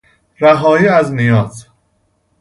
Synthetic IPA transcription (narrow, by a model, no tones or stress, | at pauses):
ɾæɦɒːiːæznijɒːz